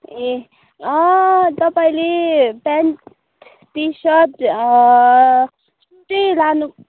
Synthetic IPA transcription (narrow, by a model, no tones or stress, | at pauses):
e | ʌt̪ʌpaĩlepanʈ | t̪isʌt̪ | suʈʌlanu